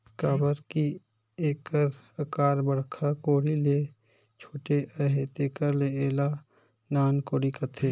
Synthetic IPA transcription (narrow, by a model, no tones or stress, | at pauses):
kaːbəɾki | eːkəɾ | əkaːɾbəɽkʰakoːɽile | t͡ʃʰoːʈeʔəɦet̪eːkəɾleeːla | naːnkoːɽikət̪ʰeː